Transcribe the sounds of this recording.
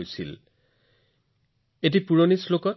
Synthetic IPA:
jsḭl | et̬ipuɹonislokɔ

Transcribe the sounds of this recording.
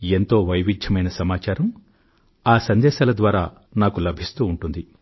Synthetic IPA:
e̞nt̪o̞ːʋɐjʋid͡ʒ̪ʱjɐmɐjnɐsɐmaːt͡ʃaːɾɐm | aːsɐnd̪ɛːʃaːlɐd̪ʋaːɾaː | naːkulɐbʱist̪uːɳʈund̪i

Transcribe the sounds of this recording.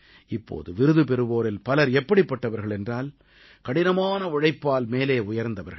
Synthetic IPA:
ɪpːo̰ːðɯʋɪɾɯðɯp̬ɛɾɯʋoːɾɪlpɐlɐɾɛpːɐɽɪpːɐʈːɐʋɐɾɣɐɭɛndraːl | kɐɽɪnɐmaːnɐʊɻɐɪpːaːlmeːleːʊjɐɾnd̪ɐʋɐɾɣɐ

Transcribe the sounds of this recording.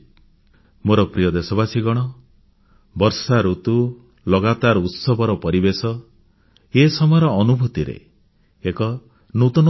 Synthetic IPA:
moɾɔpɾijɔd̪esɔbasiɡɔɽ̃ɔ | bɔɾsaɾut̪u | lɔɡat̪aɾut̪sɔbʱɔɾɔpɔɾibesɔ | esɔmɔjɔɾɔːnubʱut̪iɾḛ | ekɔ | nut̪ɔn

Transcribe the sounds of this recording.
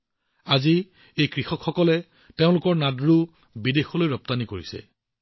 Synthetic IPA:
azi | ejkɹixɔkʰxɔkɔlɛ | teʊ̃lʊkɔɹnadɹu | bidexɔlojɹɔp̚tanikoɹisɛ̰

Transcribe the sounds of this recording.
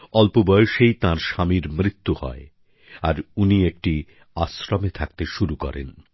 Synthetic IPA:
ɔlpobɔjoʃejt̪ãɾʃamiɾmɾit̪ːuhɔ̰e | aɾuniek̚ʈi | asɾomet̪ʰak̚t̪eʃuɾukɔ̰ɾḛn

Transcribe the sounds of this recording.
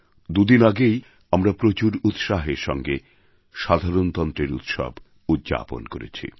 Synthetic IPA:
d̪ud̪inaɡej | amɾapɾot͡ɕuɾut̪ʃaɦeɾʃɔ̰ŋɡe | ʃad̪ʱaɾont̪ɔnt̪ɾeɾut̪ʃɔ̰b | ud̪̚d͡ʑa̰po̰nkoɾḛt͡ɕʰḭ

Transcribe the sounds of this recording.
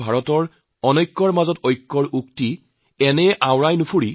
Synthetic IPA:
bʱaɹɔtɔɹ | ɔnɔjkːɔɹmazɔtojkːɔɹukti | ɛnɛʔawɹajnʊpʰuɹi

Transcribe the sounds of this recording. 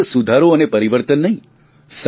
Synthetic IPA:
sud̪ʱaɾoənepəɾiʋəɾt̪ənːəɦĩ | s

